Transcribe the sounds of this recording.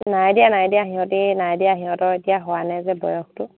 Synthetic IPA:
najdijanajdijaɦiɔ̃tinajdijaɦiɔtɔetijaɦɔwanajzɛbɔ̰jɔxtʊ

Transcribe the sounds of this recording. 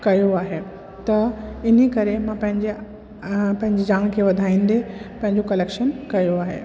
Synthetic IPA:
kɐjoaːɦe | t̪ɐɪn̤ikɐɾemãpɐ̃ɦɪ̃ɲd͡ʑe | pɐ̃ɦɪ̃ɲd͡ʑed͡ʑaːɽ̃kʰeʋɐd̪ʱaːĩːn̆d̪epɐ̃ɦɪ̃ɲd͡ʑokɐleːkʃənkɐjoaːɦḛ

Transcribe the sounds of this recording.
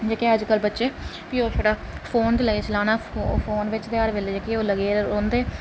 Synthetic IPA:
d͡ʒeːkeːəd͡ʒkəlbətːʃeː | piːoːt̪ʰoːɽaːpʰoːnt̪eːləɡeːt͡ʃəlaːnaːpʰoːnʋɪt͡ʃd̪eaːɾʋeːleːd͡ʒeːkeoːləɡeːɾõːnd̪eː

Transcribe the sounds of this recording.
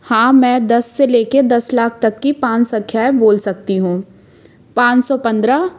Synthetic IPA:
hãːmɛ̃ːd̪ɐsːeleːked̪ɐslaːk̚ʰt̪ɐkːipãːt͡ʃsɐ̃kʰjaːeboːlsɐk̚t̪iɦũː | pãːt͡ʃsɔpɐ̃nd̪ɾa

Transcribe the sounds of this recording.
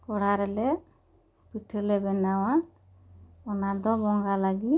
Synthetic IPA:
kɔɽ̤aɾɛlɛ | piʈʰəlɛbɛnawa | ɔnad̪ɔbɔŋɡalaɡi

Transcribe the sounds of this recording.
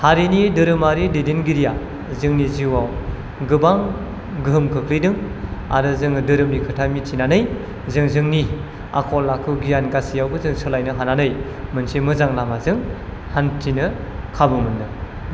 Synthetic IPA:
haɾinidɯɾɯmaɾidedinɡiɾija | zɯŋniziwaw | ɡɯbaŋ | ɡɯɦɯmkʰɯkʰlijdɯŋ | a̰ɾɯzɯŋdɯɾɯmnikʰɯtʰamitʰinanɯj | zɯŋzɯŋni | a̰kʰɔlːakʰɯɡijanɡasijawbɯzɯŋsɯlajnɯɦananɯj | mɯnsimɯzaŋlamazɯŋ | hantʰinɯkʰabɯmɯndɯ

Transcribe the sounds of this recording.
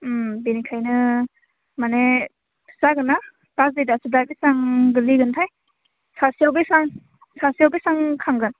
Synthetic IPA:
binikʰajnɯ | mane | saɡɯna | pas̬dedasɯdabesaŋɡɯliɡɯntʰaj | sasijawbesaŋ | sasijawbesaŋkʰaŋɡɯn

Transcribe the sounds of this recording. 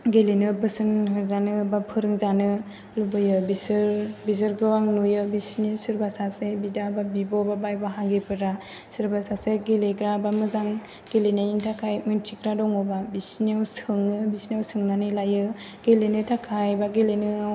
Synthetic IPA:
ɡelenɯbɯsɯnɦɯzanɯbapʰɯɾɯŋzanɯ | lubɯjɯbisɯɾbis̬ɯɾɡɯwaŋnujɯbisnisɯɾbasasebidababibɔbabajbaɦaŋɡepʰɯɾa | sɯɾbasaseɡeleɡɾabamɯzaŋ | ɡ̥elenaintʰakʰajmɯntʰikɾadɔŋɔbabisniawsɯŋɯbisniawsɯŋnanɯjlajɯ | ɡ̥elenɯtʰakʰajbaɡelenɯaw

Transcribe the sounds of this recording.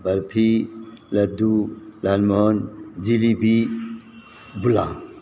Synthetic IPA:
bəɾpʰilɐd̪ulalmɔnd͡ʒilibʱi | bula̰

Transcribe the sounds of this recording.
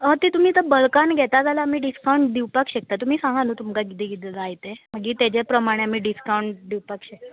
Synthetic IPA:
ət̪it̪um̤iːt̪əbəɭkanɡʱɛt̪ad͡zalaːmiːɖiskawɳʈ̚ɖ̪iwpakɕek̚t̪at̪um̤iːsãŋɡʱanuːt̪umkaɡid̪iɡid̪lajt̪eməɡiːt̪ed͡ʑepɾəmaɽ̃eam̤iːɖiskawɳʈd̪iwpakɕek̚t̪

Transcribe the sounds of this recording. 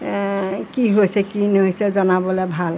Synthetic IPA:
kiɦojsɛkineɦojsɛzɔnabɔlɛbʱal

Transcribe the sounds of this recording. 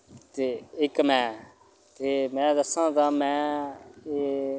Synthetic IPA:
t̪eːɪkmɛ̃ː | t̪eːmɛ̃ːd̪əsãːt̪ãːmɛ̃ː | eː

